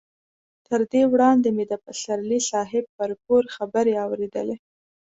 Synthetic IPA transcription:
t̪əɾd̪ewɽɑnd̪emed̪əpasaɾlisɑɦɪb̚ːəɾpoɾxabəɾeɑwɾed̪ə̰le

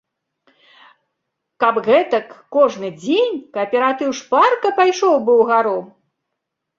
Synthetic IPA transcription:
kabɣɛt̪ɐkːɔʐnɨd͡zʲenʲkɐɐpʲɛɾat̪ɨwʂparkɐpajʂɔwbɨwɣaɾɔ

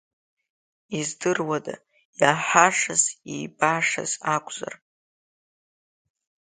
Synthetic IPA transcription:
izdɨrwada̰ | jaħaʂaziːbaːʂa̰zakʷʰʼz̥a̰r

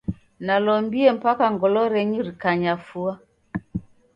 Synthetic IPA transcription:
nalɔmbiɛm̩pakaŋɡɔlɔɾɛɲuɾikaɲafua

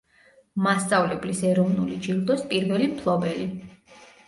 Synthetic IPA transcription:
mast̪sʼavlɛblisɛɾɔvnulid͡ʒild̪ɔspʼiɾvɛlimpʰlˠɔbɛli

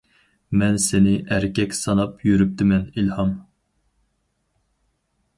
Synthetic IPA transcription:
mɛnsɪnɪʔæɾkʲɛkʲsɑnɑpʰjyɾyp̚t̪ʰɪmɛnilhɑm

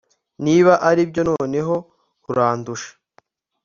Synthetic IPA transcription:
niːβaʔaɾibɟo̞no̞ːne̞ɦo̞ | kuɾaːnduʃḁ

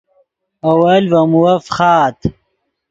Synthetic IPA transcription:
ɐwɐlvɐmuwɐfχaːt̪

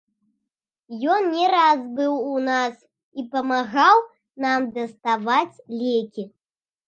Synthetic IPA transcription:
jɔnnʲɛɾazbɨwunas | ipɐmaɣaw | namd̪ɐst̪avat͡sʲlʲekʲi

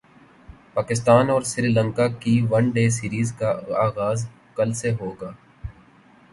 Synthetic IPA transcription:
paːkɪst̪aːnɔːɾsɾiːlə̃ŋkakiʋənɖeːsiːɾiːzkaaːɣaːz | kəlseɦoːɡaː

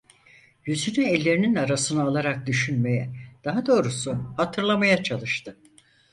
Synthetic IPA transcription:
jyzynyɛlʲːe̞ɾininaɾasɯnɯːlˠaɾak̚d̪yʃynme̞jɛd̪̥aɦad̪o̞ːɾusuhat̪ʰɯɾlˠamajat͡ʃʰalˠɯʃt̪ʰɯ

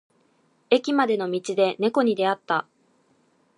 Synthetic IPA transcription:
e̞kʲimad̪e̞no̞mʲit͡ɕid̪e̞ne̞ko̞ɲ̟id̪e̞at̪ːa

